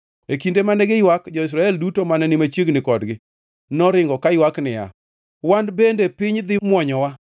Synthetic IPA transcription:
ekindemanɛɡɪjwakd͡ʒɔɪs̬ɾaɛldutomanɛnɪmat͡ʃjeɡnɪkɔdɡɪ | nɔɾɪŋɡɔkajwaknɪja̰ | wandbendepɪɲd̪ɪmwɔɲɔwa

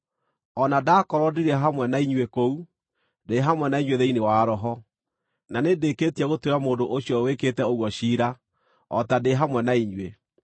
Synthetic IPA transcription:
ɔnadaːkɔɾwɔdiɾɛɦamwɛnaiɲwekou | deɦamwɛnaiɲweðeinewaːɾɔɦɔ | nanedeketiɛɣotweɾamoːdoʔoʃjɔweketɛoɣwɔɕiɾa | ɔtadeɦamwɛnaiɲwe

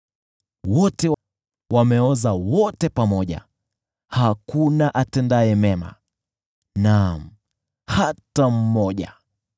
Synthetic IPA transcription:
wɔtɛ | wamɛɔzawɔtɛpamɔʄa̰ | hakunaʔatɛndaɛmɛma̰ | nam̩ | hatam̩mɔʄa̰

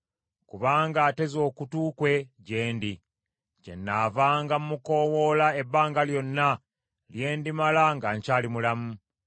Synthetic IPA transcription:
kuβaːŋɡaːte̞zo̞ːkutuːkwe̞ɟeːndi | cḛnːaːvaːŋɡamumuko̞ːwo̞lae̞bːaːŋɡaljo̞nːa | lje̞ːndimalaŋɡaɲcaːlimulamu

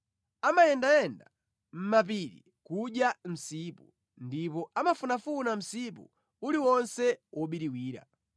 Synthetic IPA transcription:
amajɛndajɛnda | m̩map̬iɾḭ | kuɗjam̩siːpu | ndipɔʔamafunafunam̩sipṵ | uliwɔnsɛwʔɔɓiɾiwiːɾa̰

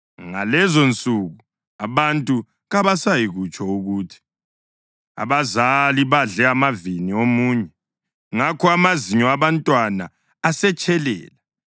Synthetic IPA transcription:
ŋa̰lɛzont͡sʼuɣu | aβantʼu | ɣaβasajiɣut͡ʃʼʰɔuɣuːtʰi̥ | a̰βazaliβaɮɛamaviniomuːɲɛ | ŋakʰɔamaziɲɔaβantʼwanaː | sɛt͡ʃʼɛlɛ̰ːla

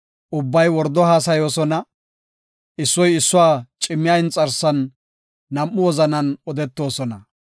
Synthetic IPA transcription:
ʔʊbːɐjwɔɾd̪ːɔhaːs̬ɐjo̞ːsɔnɐ | ɪsːɔjɪsːʊwaːt͡ʃʼɪmːɪjaɪnt͡sʼɐɾsɐnː | ɐmːʊwɔzɐnɐnɔd̪ɛt̪ːo̞ːsɔnɐ

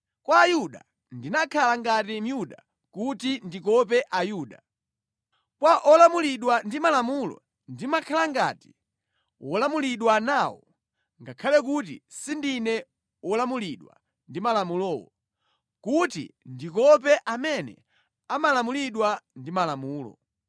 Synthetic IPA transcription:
kwaːjuɗa̰ | ndinakʰalaŋɡatim̩juɗa | kutindikɔp̬ɛʔajuːɗa | kwaʔɔlamuliɗwandimalamulɔ̰ | ndimakʰalaŋɡa̰ːti̥ | wʔɔlamuliɗwanaːwɔ | ŋɡakʰalɛkutḭsindinɛ | wɔlamuliɗwa̰ | ndimalamulɔːwɔ | kutḭndik̬ɔp̬ɛʔamɛnɛ̰ | amalamuliɗwandimalamuːlɔ̰

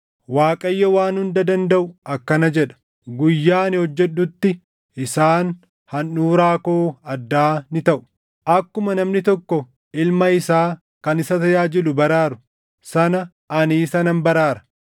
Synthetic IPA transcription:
waːkʼɐjːɐwaːnhʊnd̪ɐd̪ɐnd̪ɐʔʊɐkːɐnɐd͡ʒɛᶑɐ̥ | ɡʊjːaːnɪhɔd͡ʒːɛɗːʊt̪ːɪ | ʔɪsaːn | hɐnːuːɾaːkoːɐd̪ːaːnɪt̪ɐʔʊ̥ | ʔɐkːʊmɐnɐmnɪt̪ɔkːɔ | ɪlmɐɪsaː | kɐnɪsɐt̪ɐjaːd͡ʒɪlʊbɐɾaːɾʊ̥ | sɐnɐ | ɐniːsɐnɐnbɐɾaːɾɐ̥

